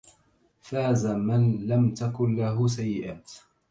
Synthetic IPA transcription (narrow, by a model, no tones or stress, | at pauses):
faːzamanlamt̪akʊnlaɦʊs̬ajːɪʔaːt̪